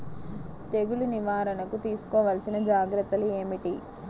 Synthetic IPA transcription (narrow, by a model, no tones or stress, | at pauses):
t̪eɡuluniʋaːɾɐnɐkut̪iːsu̥kɔːʋaːlɐsinɐd͡ʒaːɡɾɐt̪ːɐlue̞ːmiʈi